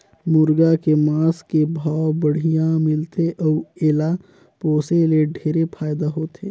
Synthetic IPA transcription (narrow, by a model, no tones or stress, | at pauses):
mʊɾɡakemaːskebʱaːbəɽ̤ijãmɪlt̪eʔɔːeːla | poːseleɖʱeːɾepʰaːjd̪aɦoːt̪ʰeː